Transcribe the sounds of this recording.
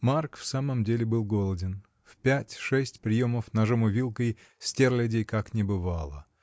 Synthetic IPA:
markfsaməmdʲelʲɪbɨlˠɡo̞lˠədʲɪn | fpʲætʲʂɛsʲtʲpɾʲɪjo̞məfnɐʐomʊvʲilˠkəj | sʲtʲerlʲɪdʲejkaknʲɪbɨvalˠə̰

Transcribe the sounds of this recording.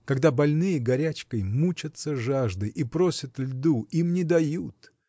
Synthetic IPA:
kɐɡd̪abɐlʲnɨjəɡɐɾʲæt͡ɕkəjmut͡ɕət̪səʐaʐd̪ɨjʔipɾosʲət̪lʲd̪uimnʲɪd̪ɐjut̪

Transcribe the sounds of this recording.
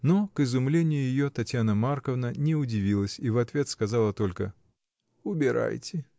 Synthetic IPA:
nokɨzʊmlʲenʲɪjʊjɪjot̪ɐtʲjanəmarkəvnənʲɛʊdʲɪvʲilˠəsʲivɐt̪vʲe̞t̪skazalˠət̪olʲkə | ʊbʲɪɾa̰jtʲɪ

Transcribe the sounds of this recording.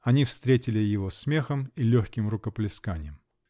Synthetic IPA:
ɐnʲifst̪ɾʲetʲɪlʲɪjɪvosmʲe̞xəmilʲoxʲkʲɪmrʊkəplʲɪskanʲɪjəm

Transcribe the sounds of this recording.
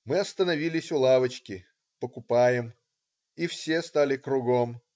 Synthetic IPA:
mɨɐst̪ənɐvʲilʲɪsʲʊlˠavət͡ɕkʲɪ | pəkʊpajɪm | ifsʲe̞st̪alʲɪkɾʊɡo̞m

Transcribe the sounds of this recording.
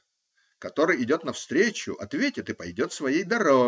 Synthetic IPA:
kɐt̪o̞ɾɨjɪdʲo̞t̪nɐfst̪ɾʲet͡ɕʊ̰ʔɐt̪vʲetʲɪt̪ɨpɐjdʲo̞t̪svɐjejd̪ɐɾo

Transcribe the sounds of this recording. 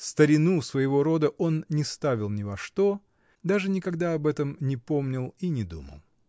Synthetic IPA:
st̪əɾʲɪnusvəjɪvo̞ɾo̞d̪əʔo̞nnʲɪst̪avʲɪlˠnʲɪvɐʂt̪o̞ | d̪aʐɨnʲɪkɐɡd̪aɐbɛt̪əmnʲɪpo̞mnʲɪlˠinʲɪd̪ṵmə̰lˠ

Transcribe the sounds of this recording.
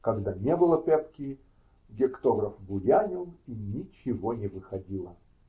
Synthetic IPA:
kɐɡd̪anʲebɨlˠəpʲɛpkʲɪ | ɡʲɪkt̪oɡɾɐfbʊjʲanʲɪlˠinʲɪt͡ɕɪvonʲɪvɨxɐdʲilˠə

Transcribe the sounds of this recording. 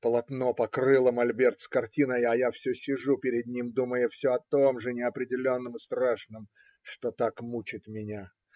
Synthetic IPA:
pəlˠɐt̪no̞pɐkɾɨlˠəmɐlʲbʲe̞rt̪skɐrtʲinəjɐjafsʲɵsʲɪʐupʲɪɾʲɪd̪̚nʲimd̪uməjʊfsʲɵɐt̪o̞mʐɨnʲɪɐpɾʲɪdʲɪlʲo̞nːəmɨst̪ɾaʂnɨm | ʂt̪o̞t̪akmut͡ɕɪt̪mʲɪnʲa

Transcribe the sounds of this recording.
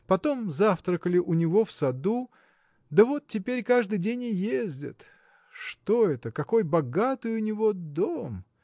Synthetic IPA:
pɐt̪o̞mzaft̪ɾəkəlʲɪʔʊnʲɪvo̞fsɐd̪u | d̪əvo̞t̪̚tːʲɪpʲeɾʲkaʐd̪ɨjdʲenʲɪjezʲdʲɪ̰t̪ | ʂt̪o̞ɛt̪əkɐko̞jbɐɡat̪ɨjʊnʲɪvo̞d̪om

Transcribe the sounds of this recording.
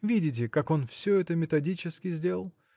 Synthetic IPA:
vʲidʲɪt̬ʲɪkako̞nfsʲɵɛt̪əmʲɪt̪ɐdʲit͡ɕɪskʲɪzʲdʲe̞lˠəlˠ

